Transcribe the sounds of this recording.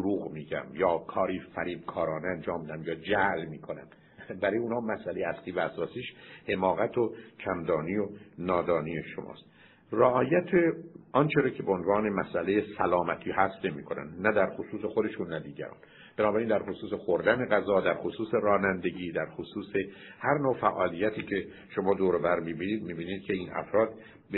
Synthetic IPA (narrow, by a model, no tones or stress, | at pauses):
d̪oɾuːɣmiːɟæ̰mjɒːkʰɒːɾiːfæɾiːbkʰɒːɾɒːneænd͡ʒɒːmːid̪æmjɒːd͡ʒæʔlmiːkʰo̞næ̰m | bæɾɔːjeuːnhɒːmæsʔælejeæsliːvææsɒːsiːʃhe̞mɒːɣæt̪ʰocʰæmd̪ɒːnijonɒːd̪ɒːnijeʃo̰mʔɒ̰ːst̪ | reɒːjæt̪ʰeɒnt͡ʃʰeɾɑːcʰe̞beonvɒːne̞mæsʔælejesælɒːmæt̪ʰiːhæst̪ne̞miːkʰo̞næ̰nd̪næd̪æɾxosuːsexod̪e̞ʃunːæd̪iːɟæ̰ɾɒ̰ːn | b̥enɒːbæɾind̪æɾxosuːsexoɾd̪æne̞ɣæzɒːd̪æɾxosuːse̞ɾɒːnænd̪e̞ɟiːd̪æɾxosuːse̞ | hæɾnoːfæʔɒːlijːæt̪ʰiːcʰe̞ | ʃo̞mɒːd̪oːɾobæɾmiːbiniːd̪̚miːbiːniːd̪̚cʰe̞iːnʔæ̰fɾɒːd̪ | b